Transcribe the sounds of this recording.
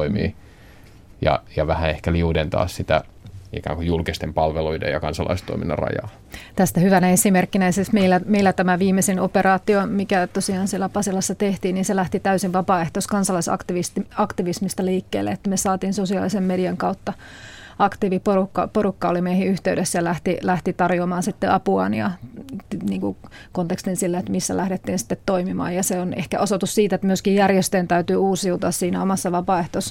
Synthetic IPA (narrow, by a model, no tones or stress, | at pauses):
imḭː | jɑ̰jɑʋæhæehkæliudent̪ɑ̰ːssit̪æ | ḭkæ̰ːŋkujulkist̪empɑlʋeluidḛjɑkɑnsɑlʔɑ̰ist̪o̰iminːɑ̰rɑ̰jɑ̰ː | t̪æst̪æhyʋænæesimerkːinæisesmeilːæmeilːæt̪æmæʋiːmesenoperɑːt̪iomikæt̪osiɑːnsielæpɑsilɑsːɑt̪eht̪iːnniːnselæht̪it̪æysiʋʋɑpɑːeht̪oskɑnsɑlɑisɑ̰kt̪iʋistɑkt̪iʋismist̪ɑliːkːḛːlːḛet̪ːæmesɑːt̪iːnsosiɑlisemmeɾiɑŋkɑut̪ːɑ | ɑkt̪iːʋiporukːɑ̰porukːɑolimeihiyht̪eydesːæjɑlæht̪ilæht̪it̪ɑrjoːmɑːnsit̪ːeʔɑpuɑ̰njɑ̰ | niːŋku | kont̪ekst̪insilːeet̪misːæ̰læhɾet̪ːiːnsi̥t̪ːet̪t̪oimimɑ̰ːjɑseonehkæ̰ʔosot̪ussiːt̪et̪myøskijjærjest̪eːnt̪æyt̪yːuːsiut̪oɑssiːnæomɑsːɑʋɑpɑeht̪os